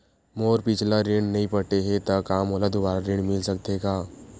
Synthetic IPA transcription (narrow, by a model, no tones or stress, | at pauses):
moːɾpɪt͡ʃʰlaɾɪ̃ɽɖnɐɦĩpəʈeɦẽt̪akaːmɔːləd̪ʊbaːɾaɾɪ̃ɳmɪlsək̚t̪eɡaː